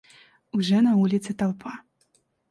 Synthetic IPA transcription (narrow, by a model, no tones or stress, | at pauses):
uʐɛnɐulʲit̪sɨt̪awpʰa